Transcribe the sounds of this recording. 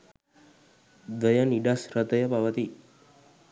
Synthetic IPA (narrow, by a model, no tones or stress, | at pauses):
d̪əjaniɖasɾət̪əjəpaʋət̪i